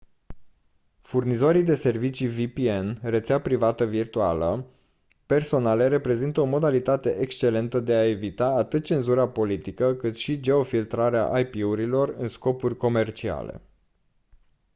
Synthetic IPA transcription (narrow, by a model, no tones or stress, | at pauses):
furnizo̞ɾijd̪e̞se̞rvit͡ʃivipienret̪seapɾivat̪əvirt̪ua̰lə̰ | pe̞rso̞nale̞ɾe̞pɾe̞zint̪əo̞mo̞d̪alit̪at̪e̞ʔekst͡ʃe̞le̞nt̪əd̪e̞ae̞vit̪aːt̪ɨt̪̚t͡ʃe̞nzuɾapo̞lit̪ikəkɨt̪ʃid͡ʒe̞o̞filt̪ɾaɾea̰ʔajpiuɾilo̞rɨnsko̞purʲko̞me̞rt͡ʃia̰le̞̰